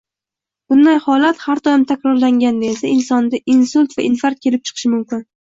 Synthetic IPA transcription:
b̥ʊnd̪ajhɒlat̪haɾd̪ɒjɪmt̪ʰakʲɾɒɾlaŋɡʲand̪aesaɪnsɒnd̪aʔinsʊlt̪vaʔinfaɾt̪̚kʲʰe̞lɪp̚t͡ʃʰɨ̥qʰɨ̥ʃɪmʊmkʲɪn

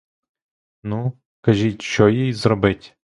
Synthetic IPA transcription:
nu | kɐʒʲitʲʃɔjijzrɔbɪtʲ

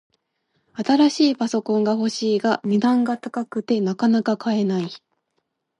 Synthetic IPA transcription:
at̪aɾaɕiːpaso̞kõ̞ŋɡaho̞ɕiːɡamʲid̪ãŋɡat̪akakɯ̟t̪e̞nakanakakʰae̞nai

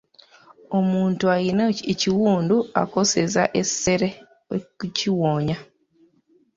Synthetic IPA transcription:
o̞muːntuajinaeciwuːndua̰ko̞sezaʔe̞se̞ɾe | euciwoːɲa

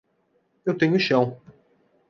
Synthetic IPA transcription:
ewt̪ẽɲʊʃɐ̃w̃

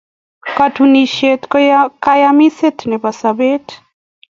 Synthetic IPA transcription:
katuniʃet̪kjakajamiset̪nɛpasabet

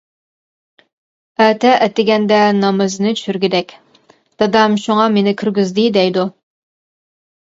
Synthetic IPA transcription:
ɛt̪ʰɛʔɛt̪ɪɡʲɛnd̪ɛnɑmɨzɨnɨt͡ʃʰy̥ʃyɾɡʲɪd̪ɛkʲ | d̪̥ɑd̪ɑmʃuŋɑmenɪkʲʰyɾɡʲyzd̪ɪd̪ɛjd̪u

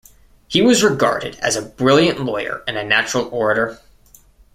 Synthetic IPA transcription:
hiwʌzɹɨɡɑ̰ɹɾɨ̰ɾɨ̰zɨbɹɪlˠjɨ̃nʔlɔɪə̰˞ɨ̃nɨnæt͡ʃɹl̩ˠɔɹɨɾə˞

